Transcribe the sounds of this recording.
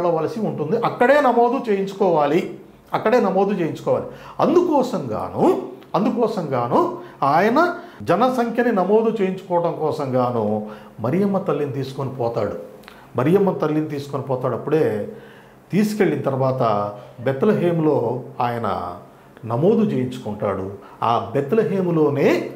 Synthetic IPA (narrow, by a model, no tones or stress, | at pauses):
lɐʋɐːlɐsiuɳʈund̪iʔɐkːɐɽe̞ːnɐmo̞ːd̪ut͡ʃeːjiɲt͡ʃu̥kɔːʋaːli | ɐkːɐɽe̞ːnɐmoːd̪ut͡ʃe̞ːjiɲt͡ʃu̥kɔːʋaːliɐnd̪ukɔːsɐmɡa̰ːnu | ɐnd̪ukɔːsɐmɡaːnuaːjɐnɐd͡ʒɛnɐsɐŋkʰjɐninɐmo̞ːd̪ut͡ʃeːjiɲt͡ʃu̥kɔːʋɐɽɐŋkɔːsɐmɡaːnu | mɐɾijɐmːɐt̪ɐlːinit̪̬iːsu̥konipɔːt̪aːɽu | mɐɾijɐmːɐnt̪ɐlːinit̪̬iːsu̥konipɔːt̪aːɽɐpːuɽe̞ː | t̪iːsu̥ke̞ɭːint̪ɐɾuʋaːt̪ɐbet̪ːɐlɐɦeːmlo̞ːaːjɐnɐ̰ | nɐmo̞ːd̪ut͡ʃeːjiɲt͡ʃu̥kuɳʈa̰ːɽṵaːbeɛt̪ːɐlɐɦeːmlo̞ːneː